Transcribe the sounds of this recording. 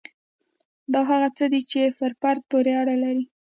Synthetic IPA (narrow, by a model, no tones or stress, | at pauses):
d̪ɑɦaɣat͡səd̪it͡ʃefəɾpaɾt̪̚poɾeaɽalaɾi